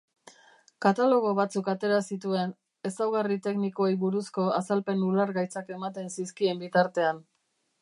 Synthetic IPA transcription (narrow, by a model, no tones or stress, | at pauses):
kat̪alo̞ɣ̞o̞βat͡sukat̪e̞ɾasit̪ue̞n | e̞sawɣarit̪e̞knikojβuɾusko̞asalpe̞nulaɾɣajt͡sake̞mat̪e̞nsiskie̞mbit̪aɾt̪e̞an